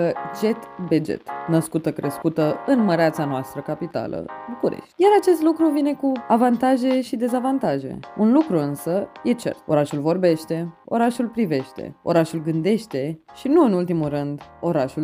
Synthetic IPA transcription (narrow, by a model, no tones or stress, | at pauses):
əd͡ʒe̞t̪bed͡ʒḛt̪nəskut̪əkɾe̞skut̪əɨnməɾeat̪sanoast̪ɾəkapit̪a̰lə̰bukuɾḛʃt̪ʲjaɾat͡ʃe̞st̪lukɾuvine̞kuavant̪aʒe̞ʃid̪e̞zavant̪aʒe̞̰unlukɾuɨnsəje̞t͡ʃe̞̰ro̞ɾaʃulvo̞rbe̞ʃt̪e̞o̞̰ɾaʃulpɾive̞ʃt̪ḛo̞̰ɾaʃulɡɨnd̪e̞ʃt̪e̞ʃinuɨnult̪imurɨnd̪o̞ɾaʃu